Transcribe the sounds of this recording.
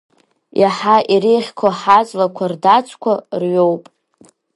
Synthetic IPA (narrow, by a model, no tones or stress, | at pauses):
jʔaħaʔiɾejχʲkʷʰaħat͡sʼlakʷʰardat͡sʷʰʼkʷʰarɥowpʼ